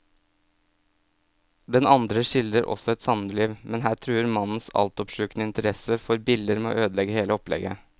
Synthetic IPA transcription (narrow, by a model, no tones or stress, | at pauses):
d̪ɛnɑnd̪ɾəʃɪld̪ɾəɾʔɔ̰sɔɛt̪sɑnəliːʋmɛnɦæːʈ̪ʰɾʉːəɾmɑnn̩sɑ̰lt̪ɔpʂʉːknəɪnt̪əɾɛsəfɔɾbɪld̪əɾmɛo̰ːʔøːd̪əlɛɡəheːləɔplɛ̰ɡə